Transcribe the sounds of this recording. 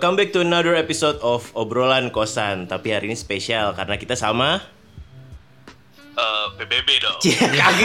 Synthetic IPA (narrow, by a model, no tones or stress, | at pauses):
kambɛk̚t̪uənadəɾepisot̪ɔfobɾolankosant̪apiɦaɾinispesialka̰ɾənakit̪asama | əːbebebedokaɡ